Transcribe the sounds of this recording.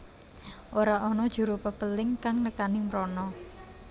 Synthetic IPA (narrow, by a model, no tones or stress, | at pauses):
ʔoɾaʔɔnɔd̥ʒ̥ṳɾopəpəlɪŋkaŋnəkanimɾɔnɔ